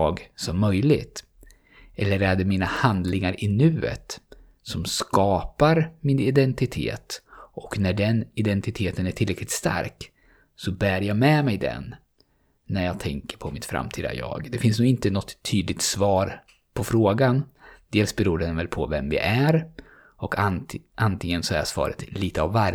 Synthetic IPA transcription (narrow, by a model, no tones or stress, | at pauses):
ɡsɔmːœjlɪ̰ɡt̪ | ɛlːəɾæɖɛmiːnahand̪lɪŋaɾʔɪnʉ̟ːə̰t̪ | sɔmskɑːpaɾmɪnɪd̪ɛnt̪ɪt̪ʰḛːt̪ʔɔknæɖɛnɪd̪ɛnt̪ɪt̪ʰeːt̪ənæʈʰɪlɾɛklɪt̪st̪a̰ɾk | sɔbæːɾjɑmɛmɛjd̪ɛ̰nː | æɾjɑːɡ̚t̪ʰɛŋkəɾpʰɔmɪt̪fɾa̰mt̪ʰiːd̪a̰jɑ̰ːɡd̪ɛfɪnsnuːɪnt̪ənɔt̪ʰːyːd̪lɪk̚t̪svɑːɾ | pʰɔfɾoːɡand̪̥eːlsbɛɾuːɖɛnvɛlpʰɔ̰vɛmvɪ̰ʔæɾ | ɔkʰaʔant̪ɪŋənsɔæ̰ʂv̥ɑ̰ːɾə̰t̪liːt̪əa̰vːaɾj